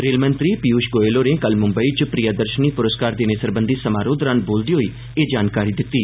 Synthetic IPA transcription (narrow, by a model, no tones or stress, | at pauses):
ɾeːlmə̃nt̪ɾiːpiuːʃɡoːeːloːneːkəlmʊmbəit͡ʃpɾijaːd̪əɾʃəniːpʊɾəskaːɾd̪eːnesəɾbənd̪iːsəmaːɾoːd̪ɾaːnboːld̪iːoi | eːd͡ʒaːnkaːɾid̪ɪt̪ːiː